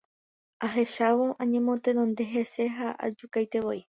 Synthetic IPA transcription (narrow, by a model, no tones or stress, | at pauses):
aɦe̞ʃaʋo̞ʔãɲẽmõt̪e̞nõnd̪e̞ɦe̞se̞ɦaʔa̰d͡ʒukajt̪e̞ʋo̞i